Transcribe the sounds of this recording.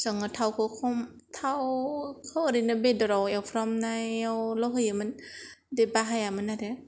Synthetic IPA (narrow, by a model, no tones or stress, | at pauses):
sɔŋat̪ʰawkʰɯkʰɔmt̪ʰawkʰɔwɾinabedɔɾɔwɛwfʰɾɔmnajɛwlɔɦɯjamɯn | debaɦajamɯnade